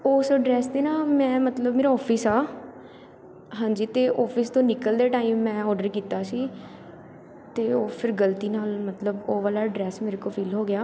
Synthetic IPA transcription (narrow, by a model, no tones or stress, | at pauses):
oːsoɖɾɛːsd̪eːnaːmɛ̃ːmət̪ləbmeːɾaːɔːpʰɪsaː | ɦãːɲd͡ʒiːt̪eːʔɔːpʰɪst̪õːnɪkəld̪eːʈaːiːmːɛ̃ːɔːɖəɾkiːt̪aːsiː | t̪eːoːpʰɪɾɡəlt̪iːnaːlmət̪ləboːʋaːlaːɖɾɛːsmeːɾekoːpʰiːlɦoːɡɪjaː